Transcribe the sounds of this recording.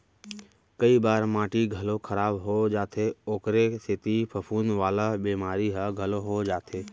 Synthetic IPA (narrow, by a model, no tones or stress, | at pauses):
kəibaːɾmãːʈiɡʱəlokʰəɾaːbɦod͡ʒaːt̪ʰeoːkɾesɪt̪ipʰəpʰuːnʋaːlabiːmaːɾiɦəɡʱəloɦod͡ʒaːt̪ʰeː